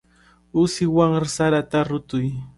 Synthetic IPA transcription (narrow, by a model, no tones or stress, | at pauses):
ʊsɪwaŋsaɾat̪aɾʊt̪ʊj